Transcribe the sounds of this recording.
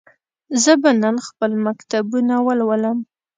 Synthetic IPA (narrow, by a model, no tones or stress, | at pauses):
zəbananxpəlmakt̪abunawəlwələm